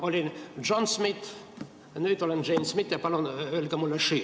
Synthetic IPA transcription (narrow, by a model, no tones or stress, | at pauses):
olʲind͡ʒonsmit̪ | nyt̪olend͡ʒeinsmit̪jɑpɑlonølʲkæmulːeʃyː